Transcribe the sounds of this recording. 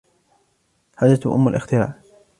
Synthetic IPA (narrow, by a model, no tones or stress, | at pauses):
had̪at̪ʔʊ̰mːalʔɪxt̪ɪɾa̰ːʔ